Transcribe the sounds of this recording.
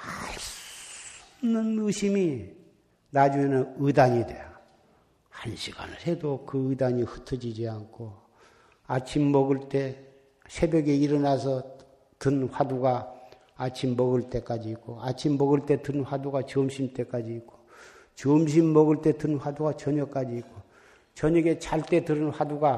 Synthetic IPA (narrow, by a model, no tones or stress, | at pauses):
nnːɯnɯɕʰimi | nad͡ʑuŋe̞nɯnɯdaɲidwe̞jo | hanɕʰiɡ̥a̰nɯhe̞dokɯɯdaɲihɯtʰʌd͡ʑid͡ʑiankʰo | at͡ɕʰimːʌɡɯɭt͈e̞ | sʰe̞bjʌɡe̞iɾʌnasʰʌ | tɯnɸwaduɡa | at͡ɕʰimːʌɡɯɭt͈e̞k͈ad͡ʑiːk͈oat͡ɕʰimːʌɡɯɭt͈e̞tɯnɸwaduɡat͡ɕomɕʰimt͈e̞k͈ad͡ʑiːk͈ʰo̥ | t͡ɕomɕ̬ʰimːʌɡɯɭt͈e̞tɯnɸwaduɡat͡ɕʌɲʌk͈ad͡ʑiːk͈o | t͡ɕʌɲʌɡe̞t͡ɕaɭt͈e̞tɯɾɯnɸwaduɡa